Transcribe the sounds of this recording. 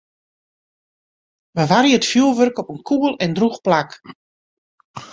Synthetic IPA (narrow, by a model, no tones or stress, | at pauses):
ʋəʋariətfjuəlˠʋørkɔpənkʰubəlˠɛndruxplak